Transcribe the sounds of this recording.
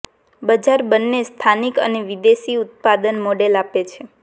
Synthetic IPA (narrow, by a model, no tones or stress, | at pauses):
bəd͡ʒaɾbənːest̪ʰanikə̰neʋid̪eʃiʊt̪̚pad̪ənmoɖelapet͡ʃʰe